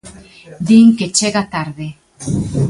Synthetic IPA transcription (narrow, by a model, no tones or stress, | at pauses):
d̪iŋket͡ʃeɣat̪aɾðe